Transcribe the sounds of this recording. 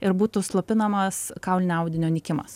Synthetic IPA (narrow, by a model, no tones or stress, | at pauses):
ɪɾbuːt̪ʊslˠoːpʲɪnɐmɐskɐʊlʲnʲɐʊd̪ʲɪnʲoːnʲɪkʲɪmɐ̰s